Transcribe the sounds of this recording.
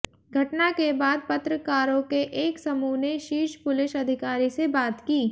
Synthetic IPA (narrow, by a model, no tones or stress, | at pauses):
ɡʱɐʈnakebaːd̪̚pɐt̪ɾəkaːɾõkeʔeːksɐmuːneʃiːʃpʊlɪʃɐd̪ʱɪkaːɾisebaːt̪kiː